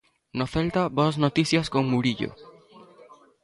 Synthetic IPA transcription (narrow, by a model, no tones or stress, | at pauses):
noθɛlt̪ɐboɐsnot̪iθjɐskoŋmuɾiʎo̰